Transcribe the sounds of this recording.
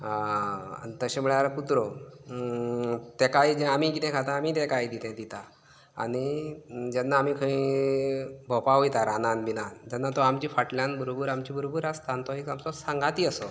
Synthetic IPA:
ɦaa̰it̪əɕẽm̤əɭaɾkut̪ɾo | t̪ɛkajd͡ʑeamikit̪ʰɛ̃kʰat̪aːmiːt̪̬ɛ̃kajd̪it̪ɛ̃d̪it̪a̰ː | ñid͡ʑɛnːaːmiːkʰəĩ | bʱɔpaɦojt̪aɾananbinand͡ʑanːat̪ɔamt͡ɕiːfaʈljãnbəɾobəɾamt͡ɕiːbʱəɾobuɾast̪ant̪oɦekamt͡sɔsãŋɡat̪iːəsɔ

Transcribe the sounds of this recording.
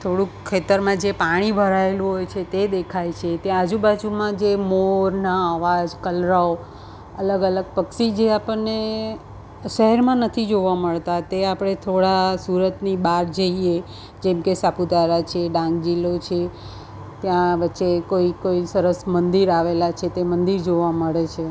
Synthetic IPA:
t̪ʰoɽũkʰːet̪əɾmãd͡ʒepaɽ̃ibʱəɾaelũɦojt͡ʃʰet̪ed̪ekʰajt͡ʃʰet̪jãːd͡ʒubad͡ʒumãd͡ʒemoɾnaːʋad͡ʒkəlɾao | ələɡələɡ̚pəkʃid͡ʒeapəne | ʃəɦɛɾmãnət̪ʰid͡ʒoʋaməɭt̪at̪eapɽ̃et̪ʰoɽasuɾət̪nibaɾd͡ʒəie | d͡ʒɛmkesapud̪aɾat͡ʃʰeɖãŋɡd͡ʒilot͡ʃʰe | t̪jãʋətːʃekoikoisəɾəsmənd̪iɾaʋelat͡ʃʰet̪emənd̪iɾd͡ʒoʋaməɭet͡ʃʰe

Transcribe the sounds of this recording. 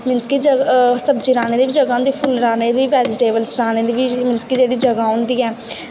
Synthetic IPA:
mɪnskid͡ʒəsəbd͡ʒiːɾaːneːd̪eːʋiːd͡ʒəɡaːɦʊ̃nd̪iːpʰʊlɾaːneːd̪iːʋɛːd͡ʒɪʈeːbəlsɾaːneːd̪iʋimɪnskid͡ʒeːɽiːd͡ʒəɡaːɦʊ̃nd̪iːɛː

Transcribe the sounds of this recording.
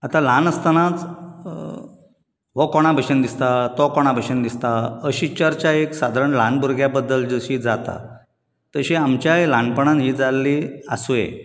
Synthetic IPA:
at̪alanəst̪ənãt͡s | ʋɔkɔɽ̃abʱəɕənd̪ist̪at̪ɔkɔɽ̃abʱəɕənd̪ist̪aəɕit͡ɕəɾt͡ɕaeksad̪ʱaɾəɳlanbuɾɡʱjabəd̪ːəld͡zəɕid͡zat̪a̰ | t̪əɕiamt͡ɕjajlanpəɳ̃anɦiːd͡zalːiəsujḛ

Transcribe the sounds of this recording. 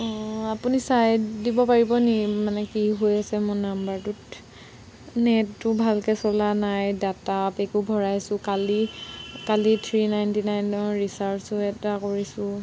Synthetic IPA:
apunisajdibɔpaɹibɔnimanɛkiɦojasɛmɔnambaɹtut | nɛtːʊbʱalkɛsɔlanajdatapekubʱɔɹajsʊ̃kalikalit̪ʰɹinajntinajnɔɹisaɹfsɔɛtakoɹisʊ̃

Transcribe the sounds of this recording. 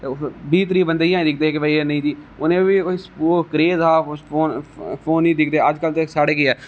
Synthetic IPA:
biːt̪ɾiːbənd̪ijãːĩd̪ɪk̚ʰd̪eːkebaːienəĩːt̪iːʊnẽːbikoːisoːkəɾeːzaːoːnpʰoːnĩːd̪ɪk̚ʰd̪eːəd͡ʒkəlt̪esaːɽeːkɪɛː

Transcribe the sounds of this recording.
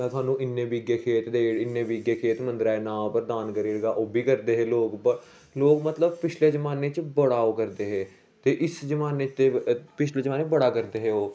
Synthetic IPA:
ɛ̃ːt̪ʊaːnːũːʔɪnːẽːbiɡeːkʰeːt̪d̪eːɪnːẽːbiːɡeːkʰeːt̪mə̃nd̪ɾaːeːnãːpəɾd̪aːnkəɾiːɾəɡaːʔoːbʱiːkəɾd̪eːɦeːloːkbə | loːkmət̪ləb̚pɪt͡ʃʰleːd͡ʒəmaːneːt͡ʃbəɽaːoːkəɾd̪eːɦeː | t̪eːʔɪsd͡ʒəmaːneːt͡ʃt̪epɪt͡ʃʰleːd͡ʒəmaːneːbəɽaːkəɾd̪eːɦeːoː

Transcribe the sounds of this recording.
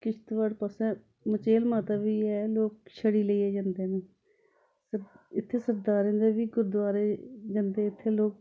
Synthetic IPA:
kɪt͡ʃʰt̪ʋaɽpəsɛː | mət͡ʃeːlmaːt̪aːʋiːɛːloːk̚ʃʰəɽiːləiːɛːd͡ʒãːnd̪eːneː | səɪt̪ʰːeːsəɾd̪aːɾẽːnd̪eːʋiːɡʊɾd̪ʋaːɾeːd͡ʒãːnd̪eːɪt̪ʰːeːloːk̚

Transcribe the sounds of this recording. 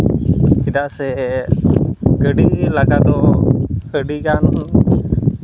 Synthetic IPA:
kidaʔsɛ | kəɖilaɡad̪ɔkəɖikan

